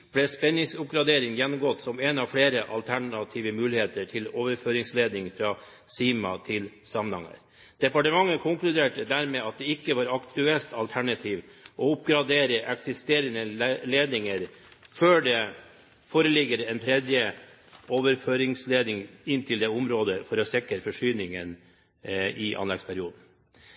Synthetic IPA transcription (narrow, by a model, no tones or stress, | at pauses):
b̥lɛspɛnːɪŋsʊp̚ɡɾɑd̪eːɾɪŋjɛnːʊmɡɔt̪ːsɔmɛnɑʋfɽeːɾəʔɑ̰lt̪ʰæɳɑt̪ʰiːʋəmʉːlɪheːt̪əʈʰɪloːʋəɾføːɾɪŋsleːd̪nɪŋfɾɑː | siːmɑ̰t̪ʰɪl | sɑmənhɑ̰ŋːə̰ɾ | d̪̥ɛpɑʈəmɑŋːəkʰʊŋklʉd̪eːʈəd̪æɾmeɑt̪̚d̪ɛɪkːəʋɑːɾɑkt̪ʉɛlt̪ʰɑlt̪ʰæɳɑt̪ʰiːʋʔɔʊp̚ɡɾɑd̪eːɾəʔɛksɪst̪eːɾənəleːd̪nɪŋəɾ | føːɖɛ | foːɾəlɪɡəɾɛnt̪ʰɾɛd̪jə | oːʋəɾføːɾɪŋsleːd̪nɪŋɪnt̪ʰɪld̪ɛʊmɾoːd̪əfɔɾɔsɛkːəɾfɔʂyːnɪŋən | ɪʔɑ̰nlɛɡspʰæɾɪuːd̪n̩